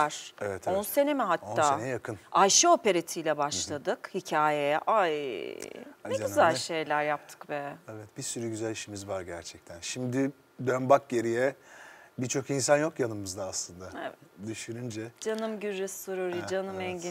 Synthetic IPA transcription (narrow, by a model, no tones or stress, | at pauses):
aɾ̥evɛt̪ʰonse̞nemɛɦat̪onːaːenɛjakʰɯnajʃɯo̞pe̞ɾet̪ʰijlʲɛbaʃlˠad̪ɯkhicʰaːjejɛʔa | ɛd͡ʒɟyzælʲʃe̞jlʲæɾjap̚t̪ʰɯ̥kbɛɛvɛt̪b̥isyɾyɟyzælʲiʃimizvaɾɟæɾt͡ʃʰɛc̚t̪ʰænʃimd̪ɪ | d̪ønbak̚ɟe̞ɾijɛbit͡ʃʰo̞kinsanjo̞kjanɯmɯzd̪aːslˠɯnd̪aevɛd̪yʃyɾynd͡ʒɛd͡ʒanɯmɟyɾːysoɾoɾid͡ʒanɯmɛɲɟi